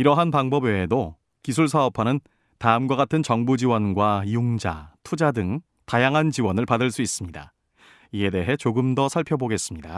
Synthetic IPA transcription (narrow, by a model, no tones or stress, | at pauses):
iɾʌɦanpaŋbʌbweːdo | kisʰuɭsʰaʌpʰanɯn | taɯmɡwaɡatʰɯnt͡ɕʌŋbud͡ʑiwʌnɡwaijuŋd͡ʑa̰tʰud͡ʑadɯŋ | tajaŋɦant͡ɕiwʌnɯɭpadɯɭs͈uis͈ɯmɲida̰ | ie̞de̞ɦe̞t͡ɕoɡɯmdʌsʰaɭpʰjʌboɡe̞s͈ɯmɲida̰